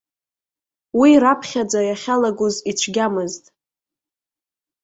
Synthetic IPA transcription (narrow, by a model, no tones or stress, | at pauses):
wiɾapʰχʲad͡zajaχʲalaɡʷuzit͡ʃʷʰɡʲamɨztʼ